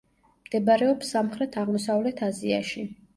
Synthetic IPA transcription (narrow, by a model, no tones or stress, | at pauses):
md̪̥ɛbaɾɛɔpsamχɾɛt̪ʰaʁmɔsavlɛt̪ʰazia̰ʃi